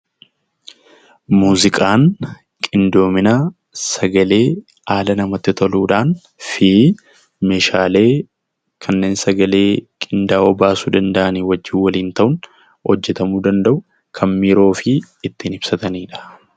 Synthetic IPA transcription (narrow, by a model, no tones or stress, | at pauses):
muːzɪkʼaːn | kʼɪnd̪o̞ːmɪnɐ | sɐɡɐle̞ː | aːlɐnɐmɐt̪ːɪt̪ʰɔluːᶑaːn | fi | meːʃaːle̞ː | kʰɐnːe̞ːnsɐɡɐle̞ːkʼɪnd̪aːɔbaːsuːd̪ɐnd̪ɐʔɐniːwɐd͡ʒːɪːwɐliːnt̪ɐʔʊŋ | hɔd͡ʒːɛt̪ɐmuːd̪ɐnd̪ɐʔʊ | kʰɐmmiːɾo̞ːfɪː | t̪ːɪnɪb̥sɐt̪ɐniːᶑɐ̥